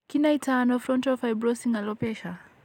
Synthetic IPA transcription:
kinaitanɔfɾɔntɔfajbɾɔsiŋalɔpɛʃa

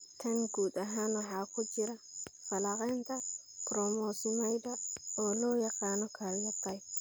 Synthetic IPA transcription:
t̪ʰɐnɡuːd̪ɐɦaːnwɑħɑːkʰʊt͡ʃɪɾɐfɐlɑqɛːnt̪ʰɐ | krɔmɔːsʊmɛjd̪ɐɔːlɔːjɑqɑːnɔkʰaljɐt̪ʰɐj

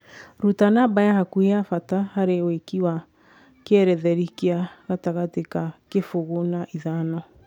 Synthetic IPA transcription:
ɾutanabajahakueafatahaɾewekiwa | keɛɾɛðɛɾikeaɣataɣatekakefoɣonaʔiðanɔ

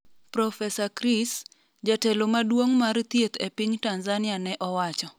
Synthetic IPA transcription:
pɾɔfɛsakɾis | d͡ʒatɛlomadwoŋmart̪jet̪ɛpɪɲtanzanɪanɛʔɔwat͡ʃɔ

